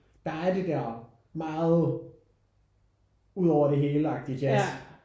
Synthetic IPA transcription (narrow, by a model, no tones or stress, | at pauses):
d̥ɑ̈æɐd̥e̝d̥æɐ̰ | mɑ̈ːð̩ˠ | uð̞ˠɒʊ̰ɐɾe̝ɦe̝ːləɑ̈ɡ̥̚d̥iɡʰæs